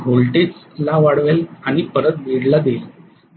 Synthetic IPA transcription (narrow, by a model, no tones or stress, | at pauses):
ɦolʈet͡s | laʋaɽʋelaɽ̃ipəɾət̪̚ʋiɽlad̪el